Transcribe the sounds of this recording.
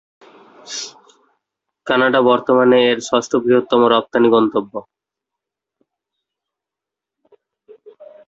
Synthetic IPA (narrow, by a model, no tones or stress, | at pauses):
kanaɖabɔɾt̪omaneeɾʃast̪ʰobɾiɦot̪ːɔmoɾɔp̚t̪aniɡɔnt̪obːo